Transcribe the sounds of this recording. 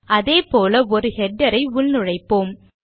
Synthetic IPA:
ʔɐðeːpoːlɐɔɾɯhɛɖːɐɾɐɪʊɭnʊɻɐɪpːoːm

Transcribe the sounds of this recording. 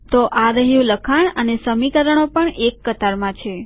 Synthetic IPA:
t̪oʔaɾəɦjũləkʰaɳənesəmikəɾəɳ̃opəɳekːət̪aɾmãt͡ʃʰe

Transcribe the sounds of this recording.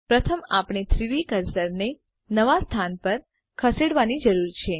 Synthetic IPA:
pɾət̪ʰəmapɳ̃et̪ʰɾiʋikəɾsəɾne | nəʋast̪ʰanpəɾ | kʰəseɽʋanid͡ʒəɾuɾt͡ʃʰe

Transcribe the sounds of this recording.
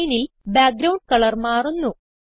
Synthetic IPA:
jnil | baːk̚ɡɾɐwɳɖ̚kɐɭɐrmaːrunːu

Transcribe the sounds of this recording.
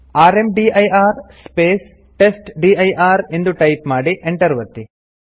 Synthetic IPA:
aːɾemɖiːɐjaːɾspeːs | ʈesʈɖiːɐjʔaːɾe̞nd̪uʈɐjpmaːɽiʔeɳʈɐɾʋɐt̪ːi

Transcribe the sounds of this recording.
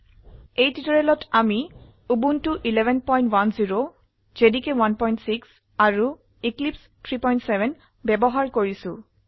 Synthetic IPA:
ejtitɔɹɛlɔtʰami | ubuntuʔilɛbʱɛnpɔj̃ntwanziɹo | z̥edikewanpɔj̃ntsiks | aɹu | iklips | tʰɹipɔjntsɛbʱɛn | bɛbɔɦaɹkoɹisʊ̃

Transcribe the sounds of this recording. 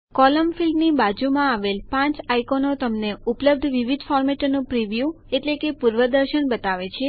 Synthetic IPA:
kɔləmfilɖnibad͡ʒumãaʋelpãt͡ʃajkonot̪əmneupləb̚d̪ʱʋiʋid̪fɔɾmeʈnũpɾiʋju | eʈlekepuɾʋəd̪əɾʃənbət̪aʋet͡ʃʰe

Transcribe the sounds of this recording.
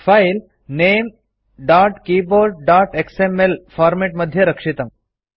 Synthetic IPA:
fail | nem | ɖaːʈkiːboːɾɖ̚ɖaːʈeksemelfaːɾmeʈməd̪ʱjəɾəkʂit̪əm

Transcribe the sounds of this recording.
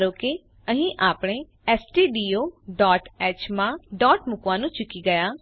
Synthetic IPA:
ɾoːke | əɦĩʔaːpɽ̃eː | ɛːsʈiːɖiːoːɖɔːʈɛːt͡ʃmãːɖɔːʈmʊkʋãːnũːt͡ʃʊkiːɡəjaː

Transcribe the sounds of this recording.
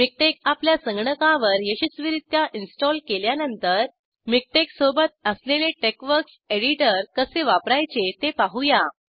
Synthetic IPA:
mik̚ʈekapljasəŋɡɳəkãʋəɾjəɕit͡sʋiɾit̪jaʔinsʈɔlkeljanənt̪əɾ | mik̚ʈeksobət̪̚əsleleʈekʋəɾkseɽiʈəɾkəseʋapɾajt͡ɕet̪epaɦuja

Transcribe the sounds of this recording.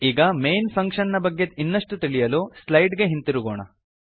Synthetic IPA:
iːɡɐmejnpʰɐŋkʂɐnnɐbɐɡːed̪inːɐʂʈut̪iɭijɐluːslɐjɖɡe̞ɦint̪iɾuɡoːɳɐ̰

